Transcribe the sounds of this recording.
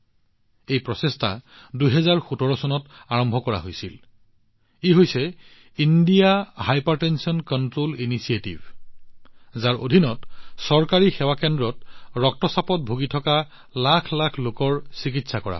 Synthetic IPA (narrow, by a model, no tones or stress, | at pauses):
ejpɹɔsestʰa̰ | dujɦɛzaɹxutɔɹɔsɔnɔtaɹɔmbʱɔkɔɹa̰ɦojsil | iɦojsɛ | indijahajpaɹtɛnsiɔnkɔntɹolinisietibʱ | zaɹʔodʱinɔtsɔɹkaɹixɛwakɛndɹɔtɹɔk̚tɔsapɔt̚bʱoɡitʰɔka | lakʰlakʰlokɔɹsikitsakɔɹa̰